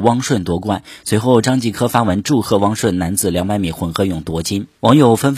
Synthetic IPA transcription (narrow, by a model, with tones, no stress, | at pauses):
wɑ˥ŋʂwə˥˩nt̪wɔ˧˥kwa˥˩nswe˧˥ɪxo˥˩ʊʈ͡ʂɑ˥ŋt͡ɕi˥˩kʰɤ˥fa˥wə˧˥nʈ͡ʂu˥˧xɤ˥˩wɑ˥ŋʂwə˥˩nna˧˥nd͡zɹ̩˨˩ljɑ˧˥ŋpa˥˩nmi˨˩xwə˧˥nxɤ˧˥jʊ˨˩ŋt̪wɔ˧˥t͡ɕi˥nwɑ˧˥ŋjo˨˩ʊfə˥nf